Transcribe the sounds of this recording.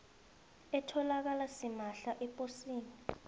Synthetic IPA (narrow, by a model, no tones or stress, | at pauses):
ɛtʰɔlak̬alasimaɬaʔɛpʼosiːni